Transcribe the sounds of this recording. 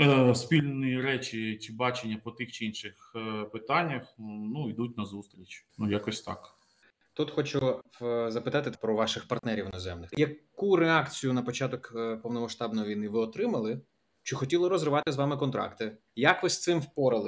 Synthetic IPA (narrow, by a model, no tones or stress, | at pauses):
spʲilʲnɪiɾɛt͡ʃit͡ʃibɑt͡ʃenʲːɐpɔt̪ɪxt͡ʃɪinʃɪxpɪt̪ɑnʲːɐxnuid̪utʲnɐzust̪ɾʲit͡ʃʲnujakɔsʲt̪ɑ̰k | t̪ut̪xɔt͡ʃʊzɐpɪt̪ɑt̪ɪpɾɔʋɑʃɪxpɐrt̪nɛɾʲiwnɔzɛmnɪxjɐkuɾeɑkt͡sʲijʊnɐpɔt͡ʃat̪ɔkpɔwnɔmɐʃt̪ɑbnɔjiʋʲijnɪʋɪɔt̪ɾɪmɐlˠɪ | t͡ʃɔxɔtʲilˠɪɾɔzɾɪʋɑt̪ɪzʋɑmɪkɔnt̪ɾʔɑ̰kt̪ɪ | jɐkʋɪst̪sɪmwpɔɾɪlˠɪ